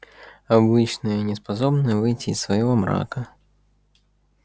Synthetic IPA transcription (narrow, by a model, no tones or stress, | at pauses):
ɐbɨt͡ɕnɨjənʲɪspɐsobnɨvɨjtʲɪːsːvɐjɪvomɾa̰kə